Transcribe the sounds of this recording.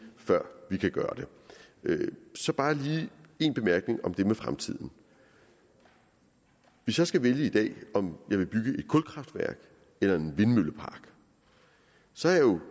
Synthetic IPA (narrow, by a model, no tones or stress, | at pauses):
fɶɐ̰ʋikʰæɡ̥ɶːɐd̥e̝ | øsɒ̽b̥ɑ̈ːliːe̝ːnb̥e̝mæɐɡ̥ne̝ŋɒ̽md̥e̝mefʁamt͡sʰið̞̰ˠn̩ | ʋe̝sjɒ̽sɡ̥æʋeljəid̥ɛ̰ːɒ̽mjɑ̈ɪʋe̝b̥yɡ̥əʔe̝d̥̚kʰɔ̽lkʰʁɑ̈fd̥ʋæɐ̰ɡ̥ | elɐe̝nʋe̝nmøləpʰɑ̈ːɡ̥ | sɒ̽æɐjjo̝